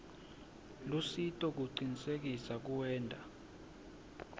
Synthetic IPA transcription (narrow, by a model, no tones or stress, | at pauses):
lusitʼɔk̬uǀinisek̬isak̬uwɛːndʱa